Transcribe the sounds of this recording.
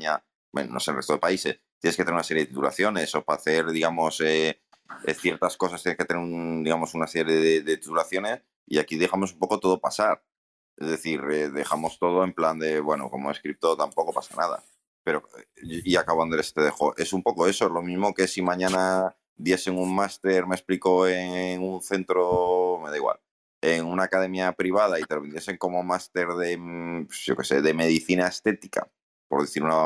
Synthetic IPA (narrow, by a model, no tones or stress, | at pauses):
ɲa | ḛnno̰selre̞st̪e̞paise̞st̪jnesket̪eɾunasejet̪it̪ula̰θjo̞ne̞so̞paθe̞ɾðiɣamo̞se | θje̞ɾt̪asko̞s̬ast̪jeneskt̪neund̪iɣamo̞sunase̞ɾjeðeðe̞t̪i̥t̪ulaθjo̞ne̞s | ḭakiðe̞xamo̞sumpo̞ko̞t̪o̞ð̞o̞pasaɾ | ezðe̞θiɾeðe̞xamo̞st̪o̞ð̞o̞e̞mpland̪e̞βwe̞no̞̰ko̞̰moeskɾip̚t̪o̞t̪ampo̞ko̞pasanaða̰ | pe̞ɾo̞iakaβand̪olest̪eðexoʔe̞sumpo̞koe̞soezlo̞mizmo̞ke̞simãɲãna | ðje̞se̞ŋuŋmast̪e̞ɾme̞spliko̞eŋŋunθe̞nt̪ɾome̞ðaiɣwa̰l | e̞ŋunaːkað̞e̞mjapɾiβ̞að̞ait̪elo̞βe̞ne̞se̞ŋko̞mo̞mast̪e̞ɾðe̞pʝo̞̰ke̞̥se̞ðe̞me̞ð̞iθinaest̪e̞t̪ika̰ | po̞ɾðeθiɾuna